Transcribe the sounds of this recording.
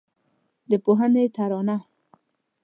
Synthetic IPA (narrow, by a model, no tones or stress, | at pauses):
d̪əpoɦənet̪aɾɑna